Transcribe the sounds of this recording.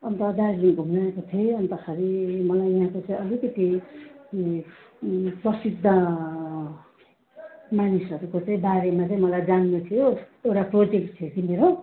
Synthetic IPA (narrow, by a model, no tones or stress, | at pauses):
ʌnt̪ʌd̪aɾliŋbʱumnaekot̪ʰʌʌnt̪ʌkʰaɾimʌlajʌɦãkot͡sʌĩʌlikʌt̪i | prʌsid̪ʱːʌ | manisʌɾukot͡saĩbaɾemat͡saĩmʌlajd͡zanːut̪ʰijo | ewʈaprod͡zek̚ʈ̚t̪ʰjekimeɾo